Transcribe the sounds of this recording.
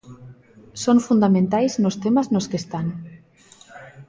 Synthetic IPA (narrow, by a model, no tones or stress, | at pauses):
sonfund̪amẽnt̪ajznost̪emaznoskest̪an